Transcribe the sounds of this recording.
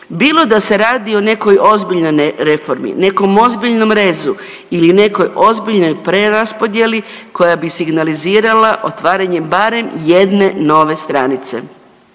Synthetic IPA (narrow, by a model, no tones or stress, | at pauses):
biːlˠo̞d̪ase̞ɾaːd̪io̞ne̞ko̞jo̞zbiʎno̞jɾe̞fo̞ɾmḭne̞ko̞mo̞zbiʎno̞mɾe̞ːzu | iline̞ko̞jo̞zbiʎno̞jpɾe̞ɾaspo̞d̪jeli | ko̞jabisiɡnaliziːɾalaʔo̞t̪ʋaːɾaɲe̞baːɾe̞mje̞d̪ne̞no̞ʋe̞st̪ɾanit̪se̞̰